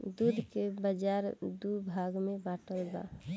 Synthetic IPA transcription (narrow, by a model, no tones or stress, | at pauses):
d̪ud̪ʱkebəd͡ʒaɾd̪ubʱaɡmebaʈəlba̰